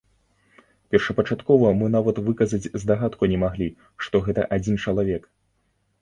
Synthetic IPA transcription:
pʲɛrʂɐpɐt͡ʂat̪kɔvɐmɨnavɐt̪vɨkɐzɐt͡sʲzd̪aɣat̪kunʲɛmaɣlʲi | ʂt̪ɔɣɛt̪ɐ̰ʔad͡zʲint͡ʂɐlˠavʲɛk

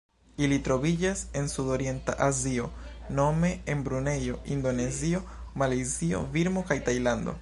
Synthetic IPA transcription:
ilitɾo̞vid͡ʒase̞nsudo̞ɾje̞nta̰ʔazio̞no̞me̞enbɾune̞jo̞ʔindo̞ne̞zio̞ | malezio̞̰viɾmo̞kajtajlando̞̰

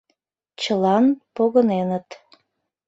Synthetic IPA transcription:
t͡ɕəlɑnpoɣənenət̪

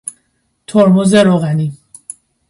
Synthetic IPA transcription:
t̪ʰoɾmozeɾoɣæni

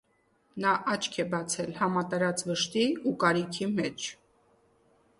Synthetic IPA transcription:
nɑʔɑt͡ʃʰkʰɛbɑt͡sʰɛlhɑmɑt̪ɑɾɑt͡svəʃt̪iukɑɾikʰimɛt͡ʃʰ

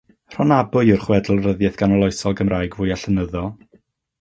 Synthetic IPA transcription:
r̥ɔnabʊjʊrχwɛdl̩ˠrəðjɛθɡ̥anɔlˠɔjsɔlˠɡəmraːjɡvʊːjaɬənəðɔ

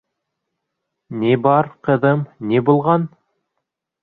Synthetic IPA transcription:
nibɑɾqɤ̆ðɤmnibulˠʁɑn

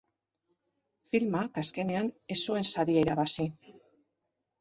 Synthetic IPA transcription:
filmakaske̞ne̞ane̞sue̞nsaɾiaiɾaβasi

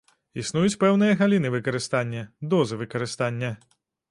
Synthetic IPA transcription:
isnujut͡sʲpɛwnɨjɐɣalʲinɨvɨkɐɾɨst̪anʲːɐd̪ɔzɨvɨkɐɾɨst̪anʲːɐ

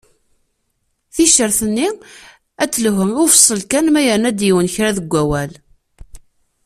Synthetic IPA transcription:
θiʃəɾθənːi | æt͡sːləɦənʊfsˤːəlkænmæjənæd̪jiwənçɾæðəɡʷːæwæl

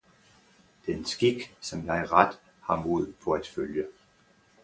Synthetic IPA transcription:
d̥ee̝nsɡ̥iɡ̥sɒ̽mjɑ̈ɪʁad̥ | hɑ̈moð̞̰ˠpʰɒ̽æd̥føljə

